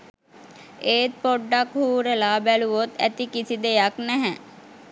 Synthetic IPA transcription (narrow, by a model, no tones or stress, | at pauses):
eːt̪̚poɖːakhuːɾelaːbæluʋot̪æ̰t̪ikisid̪ejaknɛɦɛ